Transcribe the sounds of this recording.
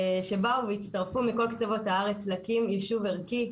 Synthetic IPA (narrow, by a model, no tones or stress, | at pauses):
ʃe̞bauveitt͡st̪ɐʁfumiko̞lkt͡sevo̞thaaʁet͡slakimiʃuveʁki